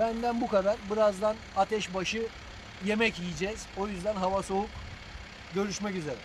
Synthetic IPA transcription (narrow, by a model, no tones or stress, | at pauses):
bænd̪ænbukad̪aɾbiɾazd̪anat̪ʰɛʃbaʃɯ | je̞mɛcijid͡ʒɛz̥o̞jyzd̪ænɦavaso̞uk | ɟø̞ɾyʃmɛcyzeɾɛ